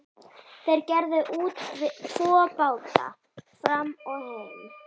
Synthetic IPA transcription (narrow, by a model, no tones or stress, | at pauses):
θejɾcɛɾðʏʔuːt̪vɪðtʰɔːpaːwt̪a̰ | fɾamɔɣhœvɪm